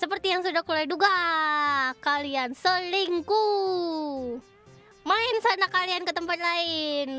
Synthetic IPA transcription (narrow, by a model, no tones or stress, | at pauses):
səpərt̪ijaŋsudahkulaiduɡa | kaliansəliŋku | maɪnsanakaliankət̪əmpat̪̚laɪn